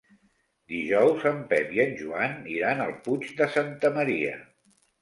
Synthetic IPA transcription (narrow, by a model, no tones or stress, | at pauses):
d̪iʒɔwzəmpɛpiənʲʒuaniɾanəlˠput͡ʃd̪əsant̪əməɾiə̰